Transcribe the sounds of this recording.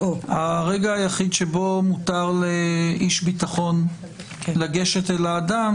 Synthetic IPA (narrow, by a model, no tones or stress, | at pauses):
oaʁeɡaajaχid̪ʃebo̞mut̪aʁleiʃbit̪aχo̞n | laɡe̞ʃet̪elaːd̪am